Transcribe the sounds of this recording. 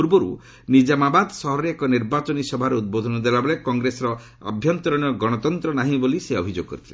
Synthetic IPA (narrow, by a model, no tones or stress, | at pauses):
uɾbɔɾṵ | nid͡ʒamabad̪sɔɦɔɾeekɔniɾbat͡ʃɔnisɔbʱaɾeud̪̚bod̪ʱɔnɔd̪elabɔlekɔŋɡɾesɔɾɔ | a̰bʱjɔnt̪ɔɾɔɽ̃jɔɡɔɽ̃ɔt̪ɔnt̪ɾɔnaɦĩboliseɔbʱid͡ʒo̰ɡɔkɔ̰ɾit̪ʰilḛ